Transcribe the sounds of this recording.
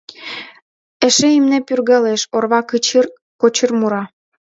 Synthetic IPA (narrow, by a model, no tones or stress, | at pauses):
ĕʃeimnepyrɣə̆leʃorβɑkɯt͡ɕir | kot͡ɕərmuɾɑ